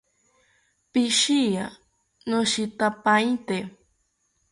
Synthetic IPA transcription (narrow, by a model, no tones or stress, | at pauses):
piʃia | nõʃit̪apajt̪e